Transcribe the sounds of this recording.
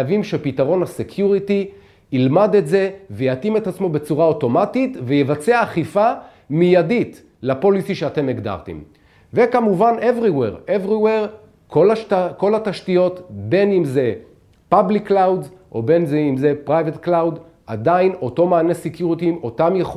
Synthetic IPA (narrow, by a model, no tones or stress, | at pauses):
avimʃepitaʁo̞nhasekʰjuʁiti | ilmad̪etze̞vejatime̞t̪at͡smo̞be̞t͡suʁao̞to̞matit̪vejevat͡seaːχifa | mijadit | lapo̞lisiʃeate̞meɡd̪a̰ʁt̪ḛm | ve̞kamuvanevʁiwḛʁevʁiweʁ | kolako̞lataʃtijo̞t̪be̞nimze | pablikːlawdzʔo̞be̞nzeimze̞pʁajvet̪klawd | a̰d̪aino̞to̞maːnesekjuʁit̪imʔo̞tamjeχ